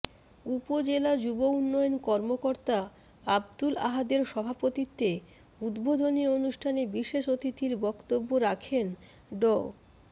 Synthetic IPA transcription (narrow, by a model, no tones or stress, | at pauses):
upod͡ʑelad͡ʑubounːɔjonkɔɾmokoɾt̪a | abd̪ula̰ɦad̪eɾʃɔbʱapot̪it̪ːe | ud̪bod̪ʱonionuʃʈʰanebiʃeʃot̪it̪iɾbɔkt̪obːoɾakʰen | ɖɔ